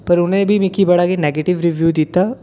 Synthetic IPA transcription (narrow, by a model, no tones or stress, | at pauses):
pɐɾʊnɦẽbʱimɪkibɐɽaɡeneːɡeːʈɪʋɾiʋjuːd̪it̪a